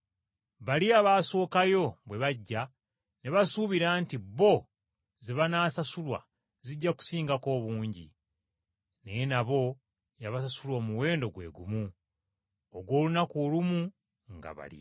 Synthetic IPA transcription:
βaliaβaːso̞ːkajo̞βwe̞βaɟːa | ne̞βasuβiɾaːntiβo̞ | zeβanaːsasulwa̰ | ziɟːaku̥siːŋɡako̞ːβuːɲɟḭ | nejenaβo̞ | jaβasasulwamuwe̞ːndo̞ɡwe̞̰ɡumu | oɡwo̞ːlunakoːlumu | ŋɡa̰βa̰lḭ

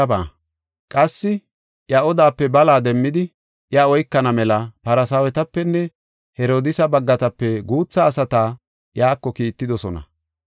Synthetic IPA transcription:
ɐba̰ː | kʼɐsːɪ | jɐɔd̪aːpːɛbɐlaːd̪ɛmːɪd̪ɪ | jɐɔjkːɐnɐmɛlɐpɐɾɐsɐwɛt̪ɐpːɛnːɛ | hɛɾoːd̪ɪsɐbɐɡːɐt̪ɐpːɛɡuːt͡sːɐːsɐt̪aː | jaːkːɔkiːt̪ːɪd̪ɔsɔnɐ̰

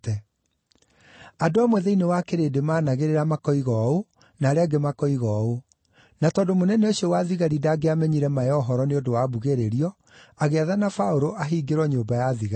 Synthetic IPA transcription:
ɛ | adoamwɛðɛinewakeɾedemaːnaɣeɾeɾamakɔiɣɔo | naɾeaɡemakɔiɣɔo | natɔːndomonɛnɛoɕiɔwaðiɣaɾidaːɡeamɛɲiɾɛmajɔɦɔɾɔneodowaːβuɣeɾeɾiɔ | aɣeaðanafaoɾoʔaɦiːɡeɾwɔɲoːmbajaðiɣa

